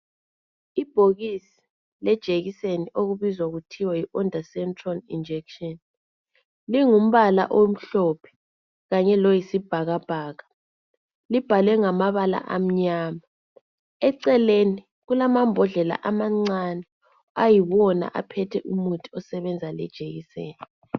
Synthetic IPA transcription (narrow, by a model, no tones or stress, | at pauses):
ib̥ʱoɣisi̥ | lɛd̥ʒ̥ʱeɣiseniʔoɣuβizwaɣutʰiwajiʔɔndʱasɛntʰʼralḭnd͡ʒʱɛkʃɔn | liŋum̩βala̰ʔom̩ɬɔpʰɛ̥ | ɣaɲɛlɔjisib̥ʱaɣab̥ʱaːɣa | lib̥ʱalɛŋamaβala̰ʔam̩ɲaːma | ɛǀɛleni | ɣulamambʱɔɮɛla̰ʔamaŋ͡ǀanɛ | ajiβɔna̰ʔa̰pʰɛtʰɛʔumutʰʼiɔsɛβɛnd͡zʱalɛ̰d̥ʒ̥ʱeɣisḛːnii